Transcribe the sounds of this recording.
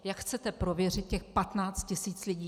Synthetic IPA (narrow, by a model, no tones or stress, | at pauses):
jakxt͡sɛt̪ɛpɾovjɛrɪt̪̚cɛxpat̪naːt͡st̪̚cɪsiːt͡slɪɟiː